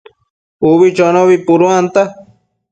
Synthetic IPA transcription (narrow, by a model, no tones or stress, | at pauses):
uβit͡ʃonoβipuɾuant̪a